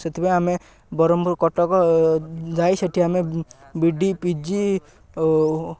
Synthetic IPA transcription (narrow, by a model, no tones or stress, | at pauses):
set̪ʰibeame | bɔɾɔmbɔɾkɔʈɔkɔ | d͡ʒajseʈʰiamebiɖipid͡ʒi